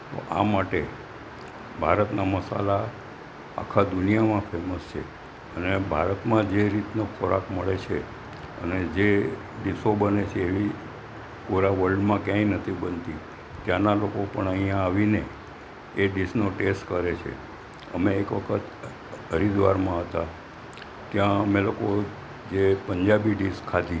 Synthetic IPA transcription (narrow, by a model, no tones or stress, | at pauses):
t̪o̰ʔa̰maʈe | bʱaɾət̪naməsa̰la | a̰kʰad̪unijamãfʰeməst͡ʃʰḛ | ənebʱa̰ɾət̪mãd͡ʒeɾit̪nokʰɔɾa̰kməɭet͡ʃʰe | ə̰ned͡ʒe | ɖisobənet͡ʃʰeːʋi | puɾaʋəlɖmãkjãĩnət̪ʰibənt̪i | t̪jãnalokopəɳəɦijãaʋineː | ɖisnoʈesʈkəɾet͡ʃʰḛ | ə̰meːkʋəkʰət̪ | əɾid̪ʋaɾmãɦət̪a | t̪jãəmeloko | d͡ʒepəɲd͡ʒabiɖiskʰːat̪i